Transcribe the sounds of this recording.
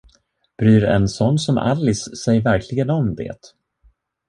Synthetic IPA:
b̥ɾyːɾɛ̰nsɔnːsɔmʔa̰lːɪsːɛjːəɾvæɾkʰlɪɡənɔmd̪ḛːt̪

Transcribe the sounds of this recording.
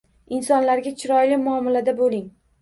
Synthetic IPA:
ɪnsɒnlaɾɡʲat͡ʃʰɪɾɒjlɪmʊɒmɪlad̪abolɪŋ

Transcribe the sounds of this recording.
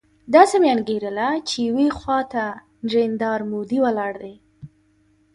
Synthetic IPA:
d̪ɑsemeanɡeɾəlat͡ʃejwexwɑt̪a | nʐend̪ɑɾmod̪iwalɑɽd̪ej

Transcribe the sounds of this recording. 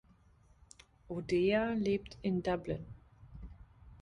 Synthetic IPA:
ʔodeːaleːp̚tʰɪndablɪ̰n

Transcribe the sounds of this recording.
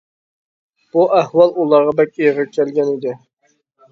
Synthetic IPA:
b̥uʔæhwɑlˠulˠɑɾʁɑbɛkʲijʁɨkʲʰɛlɡʲɛnid̪ɪ

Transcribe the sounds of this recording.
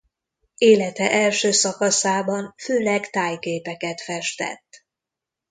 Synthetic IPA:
eːlɛt̪ɛʔɛlʃøːsɒkɒsaːbɒnføːlɛkt̪aːjkeːpɛkɛt̪fɛʃt̪ɛ̰t̪ː

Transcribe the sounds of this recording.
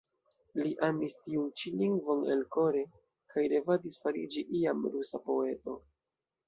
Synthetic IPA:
liʔamistiunt͡ʃiliŋɡvo̞nḛlko̞ɾe | kajɾe̞vadisfaɾid͡ʒiʔiamɾusapo̞e̞to̞

